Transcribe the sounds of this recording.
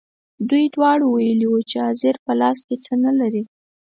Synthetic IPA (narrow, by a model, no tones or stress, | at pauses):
d̪ujd̪wɑɽowajəliwut͡ʃeɑzɪɾpəlɑsket͡sənalaɾi